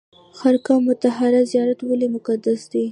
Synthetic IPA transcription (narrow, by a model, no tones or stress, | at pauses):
xaɾkamʊt̪aɦaɾazijɑɾat̪walemʊkad̪asd̪e